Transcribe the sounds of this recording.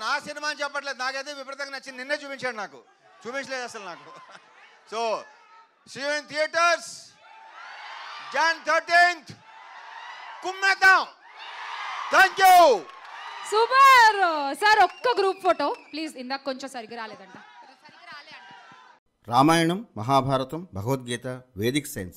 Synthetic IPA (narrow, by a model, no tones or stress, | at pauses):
naːsinimaːnt͡ʃɛpːɐʈ̬leːd̪unaːkejt̪eːʋipɾɐt̪ɐŋɐnɐt͡ʃːininːeːt͡ʃuːpiɲt͡ʃaːɽinaːkṵ | t͡ʃuːpiɲt͡ʃɐleːd̪ɐsɐlnaːku | soː | siːʋent̪ʰijɐʈɐɾs | kent̪ʰɐɾʈiːnt̪ʰ | kumːet̪aw | t̪ʰɛːŋkju | supɐɾsaɾɔkːɐɡɾuːpfoːʈoːpliːzind̪aːkkːoɲt͡ʃomsɐɾiɡiɾaːleːd̪ɐɳʈaː | sɐɾiɡiɾaːleɐɳʈaa | ɾaːmaːjɐɳɐmːɐɦaːbʱaːɾɐt̪ɐmbʱɐɡɐʋɐt̪̚ɡiːt̪ɐʋeːd̪ikɐsɐjns